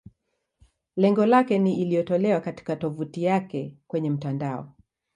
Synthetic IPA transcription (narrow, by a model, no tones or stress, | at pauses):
lɛŋɡɔlakɛniːlijɔtɔlɛwakati̥katɔvutijakɛkwɛɲɛm̩tandaɔ̰